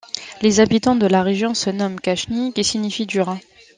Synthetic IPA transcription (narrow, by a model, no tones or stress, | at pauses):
lezabit̪ɑ̃d̪əlaʁeʒjɔ̃sənɔmkaʃnikʲisiɲifid̪yʁɛ̃